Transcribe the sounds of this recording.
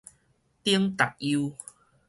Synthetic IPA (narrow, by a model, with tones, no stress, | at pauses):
t̪i˦əŋt̪a˨k̚i˧u